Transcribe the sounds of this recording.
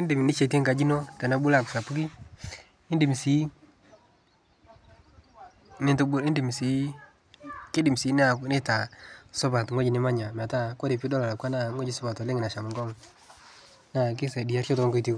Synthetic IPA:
ɪ˦ndɪ˨m˨nɪ˦t͡ʃe˨ti˦ŋɡa˨d͡ʒi˦nɔ˦tɛ˨na˦bʊ˦la˦˨kʊ̥˨sa˨pu˦ki˦ | ɪ˦ndɪ˨m˨si˦ | nɪ˦ntʊ˦bʊ˦ɾɪ˦ndɪ˨mi˨si˨˦ | kɪ˦dɪ˨m˨si˨˦n˦a˨˦nɪ˦ta˨sɔ˦ba˨tŋo˦d͡ʒi˨nɪ˦ma˦ɲa˨m˨a˨ta˦kɔ˦ɾɪ˨pi˦dɔ˦la˨la˨kwa˦na˦˨ŋo˦d͡ʒi˦sʊ˦ba˨tɔ˨le˦ŋɪ˨na˨ʃa˨mʊ˨ɡɔ˦ŋ | na˦k̬ɪ˦sɛ˨di˨a˦rt͡ʃɔ˦tɔ˦ŋɡɔ˦iti˦k

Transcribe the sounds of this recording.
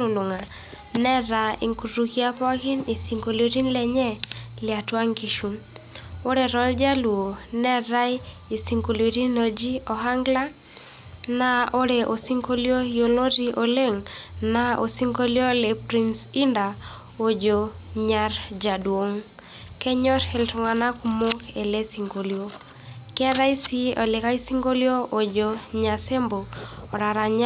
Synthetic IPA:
ʊ˨lu˨ŋa˨ | nɛ˦ɾa˨i˨ŋku˨ɾu˨ki˦a˦pɔ˦kɪ˦ni˨si˨ŋko˨lo˨ɾi˦nlɛ˨ɲɛ˦lɪa˨twa˦ŋki˨ʃu˨mo˦ɾe˨ɾɔ˨˦ld͡ʒa˦lu˨o˨nɛ˦ɾa˦i˦i˨si˨ŋko˨li˨ɾi˦no˨d͡ʒi˦ɔ˨ɦa˦ŋɡla˦ | na˨o˦ɾe˨ʔo˨si˦ŋko˦ljo˦jo˨lo˦ɾi˦ʔo˨le˦ŋna˦o̰˨si˦ŋɡo˦ljo˦lɛ˨pɾi˦nsi˦nda˨ | o˨d͡ʒo˨ɲa˦rd͡ʒa˨dwo˨ŋ | kɛ˦ɲɔ˦ɾɛ˨ltu˨ŋa˨na˦ku˨mo˦kɛ˨lɛ˦si˨ŋɡo˨ljo˦ | kɛ˦ɾa˦i˦si˦ɔ˨lɪ˨ka˦i˦si˦ŋɡo˦ljo˦o˨d͡ʒo˨ɲa˨sɛ˦mboː˨ɾa˨ɾa˨ɲ

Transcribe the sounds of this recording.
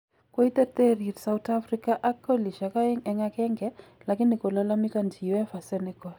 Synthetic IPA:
ko˦i˦tɛ˦t̪ɛ˦ɾi˨ɾsa˨wuta˦fɾi˦ka˦ʔa˦kɔ˦li˨ʃa˨ka˦ɛ˦ŋɛ˨ŋa˦kɛ˦ŋɡɛ˦la˨ki˦ni˨ko˨la˦la˦mi˦ka˨nd͡ʒi˨wɛ˦fa˨sɛnɛ˦kɔ˨

